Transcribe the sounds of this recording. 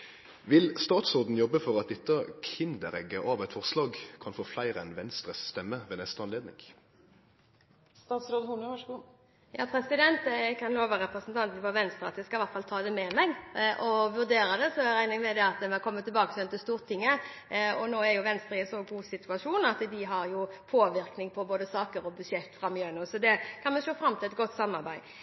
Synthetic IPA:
ʋɪlst̪ɑːt̪sɔʁd̪n̩jɔbːəfɔʁɑt̪̚d̪ɛt̪ːəkʰɪnd̪əɾɛɡəʔɑːʋɛt̪fɔʁslɑːɡkʰɑnfoːflæɪɾɛnʋɛnst̪ʁəsst̪ɛmːəʋeːnɛst̪əɑnleːd̪nɪ̰ŋ | st̪ɑːt̪sɾoːd̪hunəɑʂɡu | jɑ̰ːpʰɾɛsɪd̪ɛnt̪kʰɑnloːʋɑʁɛpʁəsənt̪ʰɑnt̪nfɑʋɛnst̪ɾʁəɑt̪jæskɑɪʋæʁt̪fɑlt̪ʰɑːd̪ɛmɛmɛɡʔɔʋʉʁd̪eːɾɑd̪ɛsɔæɾæɪnɪŋmɛd̪ɛɑt̪mɛkʰɔmːət̪ʰːɪlbɑːkəsɔɛnt̪ɪst̪uːʁt̪ʰɪŋːəɔnoːæɾjʊʋɛnst̪ɾəɛsɔɡuːsɪt̪ʰʉɑʂuːnɑt̪d̪ɪɦɑɾjʊpʰoːʋɪʁknɪŋpʰɔboːd̪əsɑːkəɾɔbʉʂɛt̪ːfʁɑmjønʉsɔd̪ɛkʰɑnmɛʂoːfɾɑmːt̪ʰɪlɛt̪̚ɡɔt̪ːsɑmːɑʁbæɪ

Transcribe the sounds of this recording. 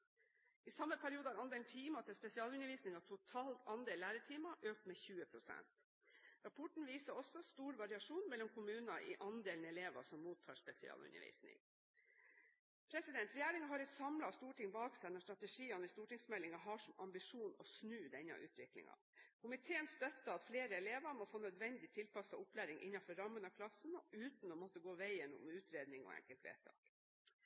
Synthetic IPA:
ʔɪsɑmːəpʰæɾɪuːd̪əɑɾɑnmɛlt̪ʰiːmɑt̪ʰɪspɛsɪɑːlʉnəɾʋiːsnɪŋɑt̪ʰʊt̪ʰɑːlt̪ɑnd̪eːlːæːɾəʈʰiːmɑʔøːk̚t̪meːçʉːəpʰɾʊsɛ̰nt̪ | ɾɑpʰɔʈɳ̩ʋiːsəɔsɔst̪uːɾʋɑɾɪɑʂuːnmɛlːɔmkʰʊmʉːnɑʔɪ̰ʔɑnd̪eːlnɛleːʋɑ̰sɔmːuːt̪ʰːɑ̰ːʂpɛsɪ̰ɑ̰ːlʉ̰nə̰ʋḭːsnɪ̰ŋ | pʰɾɛsɪd̪ɛnt̪ɾɛjæːɾɪŋɑɦɑɾɛt̪sɑmlɑst̪uːʈɪŋbɑːksæɪnɔst̪ɾɑt̪ɛʂiːɑnɪst̪uːʈɪŋsmɛlːɪŋɑɦɑʂɔmɑmbɪʂuːnɔsnʉːd̪ɛnːɑ̰ʔʉ̰ːt̪ʰʋɪklɪ̰ŋɑ̰ | kʰʊmɪt̪ʰeːənst̪œt̪ːɑɑt̪fleːɾəɛleːʋɑɾmɔfoːnœd̪ʋɛnd̪ɪt̪ʰɪlpɑsɑʊplæːɾɪŋʔɪ̰nːɑnfɔɾɑmːənəɑkʰlɑsənɔʉːt̪n̩ɔmɔt̪ːəɡoːʋæɪənʊ̰mʉːt̪ɾeːd̪nɪŋɔ̰ːɛ̰ŋkəlt̪ʋḛːt̪ʰɑ̰ːk

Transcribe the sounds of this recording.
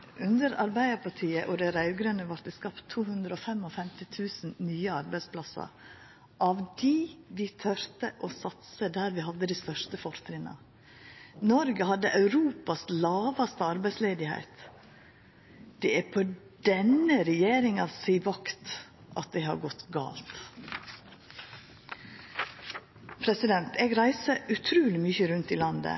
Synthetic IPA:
ʔʉnd̪əɾɑɾbæɪəɾpʰɑʈʰiːəʔɔd̪ɛɾɑʉʋɡɾœnəʋɑɾt̪d̪ɛskɑpt̪ʰːuːhʉnd̪ɾəɔfɛmːɔfɛmt̪ɪt̪ʰʉːsn̩nyːəɑɾbæɪspʰlɑsɑ̰ɾ | ʔɑʋd̪iːʋɪt̪ʰœɾt̪əʔɔsɑt̪səd̪æːɾʋɪɦɑd̪ːəd̪ɪst̪œʂt̪əfɔɾt̪ʰɾɪnɑ̰ | nɔɾɡəhɑd̪ːəʔɑʉɾuːpɑslɑːʋɑst̪əɑɾbæɪsleːd̪ɪhæ̰ɪt̪ | d̪̥ɛæpʰo | d̪̥ɛnəɾɛjeːɾɪŋɑsiːʋɑkt̪ | ʔɑ̰t̪̚d̪ɛɦɑ̰ɾɡɔt̪ɡɑ̰ːlt̪ | pʰɾɛsɪd̪ɛnt̪eːɡɾæɪsəʔʉt̪ʰɾʉːlɪmyçəɾʉnt̪ɪlɑnd̪ə̰

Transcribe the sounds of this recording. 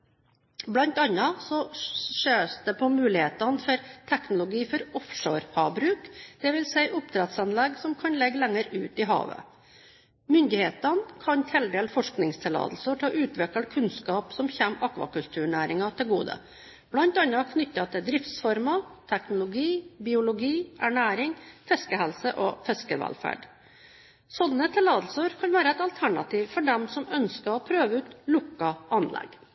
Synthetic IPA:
blɑnt̪ɑnːɑsɔʂøːsd̪ɛpʰɔmʉːlɪheːt̪ɑnfɔɾt̪ʰɛknʊlʊɡiːfɔɾɔfʂoːɾhʰɑːbɾʉːkd̪̥ɛʋɪlsæɪʔʊp̚t̪ʰɾɛt̪sɑnlɛɡsɔmkʰɑnlɛɡːlɛŋːəɾʉːt̪ɪɦɑ̰ːʋə̰ | mʏnd̪ɪheːt̪ɑnkʰɑnt̪ʰɛld̪eːlfɔʂknɪŋst̪ʰɪlɑ̰ːd̪l̩səʈʰɪlɔʔʉːt̪ʋɛkəlkʰʉnskɑːpsɔmçæmɑkʋɑ̰kʉlt̪ʰʉːɳæːɾɪŋɑt̪ʰɪlɡuːd̪ə̰ | b̥lɑnt̪ɑnɑkʰnʏt̪ːɑt̪ʰɪld̪ɾɪft̪sfɔɾmɑt̪ʰæknʊlʊɡiːbɪːʊlʊɡiːʔæɳæːɾɪŋfɛskəhɛlsəʔɔfɛskəʋæ̰lfæ̰ːɖ | sɔd̪nət̪ʰɪlɑːd̪l̩səɾkʰɑnʋæːɾəɛt̪ɑlt̪ʰæɳɑ̰t̪ʰiːʋfɔɖɛmsɔmœnskəɾɔpʰɾøːʋəʉːt̪lʊkːɑʔɑnlʔɛ̰ɡ

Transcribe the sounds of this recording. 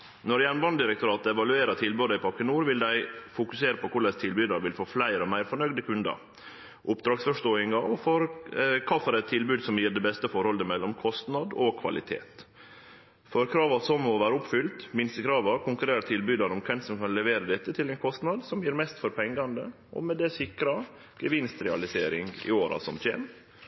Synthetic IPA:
nɔɾjæɳnbɑnd̪ɪɾɛkt̪ʊɾɑːt̪ɛʋɑlʉeːɾɑt̪ʰɪlbʉd̪æɪpʰɑɾkːənuːɾʋɪld̪æɪfʊkʉseːɾəpʰɔkʰʊɭɛst̪ʰɪlbyːd̪ɑɾʋɪlfoːflæɪɾɔmæɪɾfɔɳœɡd̪əkʰʉnd̪ɑ̰ɾ | ʔʊpd̪ɾɑːɡsfɔʂt̪oːɪŋɑɔfɔɾkʰɑːfɔɾɛt̪ʰːɪlbʉːd̪sɔmjiːɖ̪ɛbɛst̪əfɔɾhɔləmɛlːɔmkʰɔst̪nɑd̪ɔkʰʋɑ̰lɪt̪ʰḛːt̪ | fɔɾkʰɾɑːʋɑsɔmːɔʋæːɾəʊpfʏlt̪mɪnst̪əkʰɾɑːʋɑkʰʊŋkʉɾeːɾət̪ʰɪlbyːd̪ɑnɔmkʰʋɛnsɔmkʰɑnlɛʋeːɾəd̪ɛt̪ːət̪ʰɪlɛnkʰɔst̪nɑd̪sɔmjiːɾmɛst̪fɔɾpʰɛŋɡɑnd̪ə | ʔɔ̰mɛd̪ɛsɪkɾɑ | ɡ̥əʋɪnst̪ɾɛɑlɪseːɾɪŋɡɪ̰oːɾɑ̰sɔmʰḛːm

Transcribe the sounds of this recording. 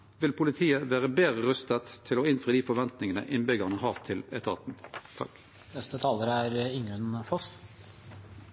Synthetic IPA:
ʋɪlpʰʊlɪt̪ʰiːəʋæːʁəbeːʁəʁœst̪ət̪ʰːɪloːɪnfœːd̪iːfɔʋɛnt̪nɪŋənə̰ʔɪnbʏɡɑʁnəhɑːʋt̪ʰɪlɛt̪ʰɑ̰ːt̪n̩t̪ʰɑ̰k | nɛst̪ət̪ʰɑːləɾæɾɪŋʉnfɔs

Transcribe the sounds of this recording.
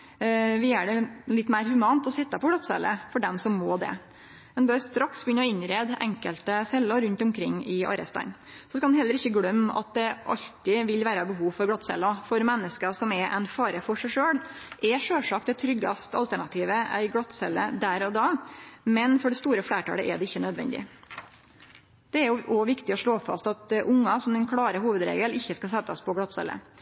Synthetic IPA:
ʋɪæɖɛlɪt̪ːmæɪɾhʉmɑːnt̪ɔsɛt̪ːɑpɔɡlɑt̪sɛ̰lːə̰fɔɖɛmsɔmmoːd̪ɛ̰ | ɛnbøːɾst̪ɾɑksbəjʏnːəɔɪnɾeːd̪ɛ̰ŋkəlt̪əsɛlːəɾʉnt̪ʊmkʰɾɪŋːɪʔɑ̰ɾɛ̰st̪ɑ̰n | sɔskɑnɦɛlːəɾɪçːəɡɽœmːɑ̰t̪̚d̪ɛʔɑ̰ʎt̪ɪʋɪlʋæːɾɑbəɦuːʋfɔɾɡlɑt̪sɛ̰lːɑfɔɾmɛnːəskəsɔmɛʔɛ̰nfɑːɾəfɔʂæɪʂøːɽʔɛʂøːʂɑk̚t̪̚ɛt̪ʰɾʏɡːɑ̰st̪ʰɑ̰lt̪ʰæɳɑt̪ʰiːʋəæ̰ɪɡɽɑt̪sɛlːə̰d̪æɾɔd̪ɑːmɛnfɔɖɛst̪uːɾəfɽæːʈɑ̰ːlə̰ʔɛ̰ɖɛɪçːənœd̪ʋɛ̰nd̪ɪ̰ | d̪̥ɛæɾjʊʔɔʋɪkt̪ɪɔʂɭoːfɑ̰st̪ɑt̪ʔʊŋːɑsɔmd̪ɛnkʰɽɑːɾəɦhuːʋəd̪ɾḛːɡəlɪçːəskɑs̬ɛt̪ːɑspʰɔɡɽɑt̪sɛ̰lːə̰

